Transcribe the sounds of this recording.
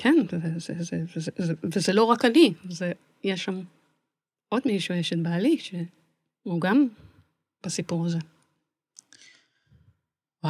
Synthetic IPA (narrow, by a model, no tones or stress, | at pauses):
kʰenzezezevzzevezelo̞ʁakanize | jeʃam | o̞d̪miʃujeʃet̪̚baːliʃe | uɡam | b̥asipuʁaze̞ | a